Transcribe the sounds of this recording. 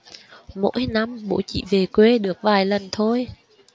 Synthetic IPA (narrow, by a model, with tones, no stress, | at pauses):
mo̰˧˥jna˧mɓo̰˧˥t͡ɕḭ˧˨ve˨˩kwe˧ɗɨ˨˩ək̚vaː˨˩jlə˨˩nt̪ʰo˧j